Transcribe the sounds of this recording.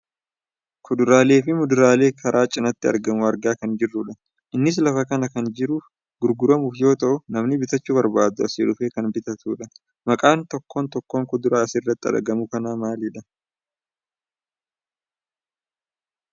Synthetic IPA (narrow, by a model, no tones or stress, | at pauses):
kʰʊd̪ʊɾaːle̞ːfɪmʊd̪ʊɾaːle̞ːkʰɐɾʔaːt͡ʃʼɪnɐt̪ːɪɐ̰ɾɡɐmʊɐɾɡaːkɐnd͡ʒɪrːʊᶑɐ | ʔɪnːɪs̬lɐfɐkɐnɐkɐnd͡ʒɪɾuːf | ɡʊɾɡʊɾɐmuːfjo̞ːt̪ɐʔʊnɐmnɪbɪt̪ɐt͡ʃːuːbɐɾbaːd̪ʊɐsḛːᶑʊfe̞ːkɐnbɪt̪ɐt̪ʰuːᶑɐ | mɐkʼaːnt̪ɔkːo̞ːnt̪ɔkːo̞ːŋkʊd̪ʊɾaːɐsɪrːɐt̪ːɪɐ̰ɾɡɐmʊkɐnaːmaːlɪᶑɐ